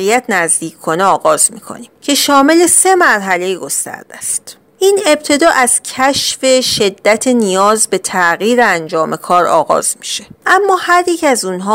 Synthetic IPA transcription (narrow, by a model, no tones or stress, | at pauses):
ijæt̪ʰnæzd̪iːcʰkʰo̞neɒːɣɒːzmiːkʰo̰niːmcʰe̞ʃɒːme̞le̞se̞mæɾɦæle̞jiɡo̞st̪æ̰ɾd̪̥æ̰st̪ | ʔiːne̞b̚t̪ʰe̞d̪ɒːʔæz̥cʰæʃfe̞ʃe̞d̪ːæt̪ʰenijɒːzbe̞t̪ʰæʔɣiːɾeænd͡ʒɒːme̞kʰɒːɾɒːɣɒ̰ːz̥mi̥ʃe̞ʔæmːɒːhæɾjecʰæzunɦɒː